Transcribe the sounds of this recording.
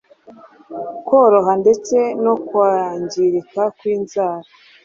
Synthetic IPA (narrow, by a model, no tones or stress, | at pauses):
ko̞ɾo̞ɦande̞t͡se̞no̞kwaɲɟiɾikakwiːnzaːɾa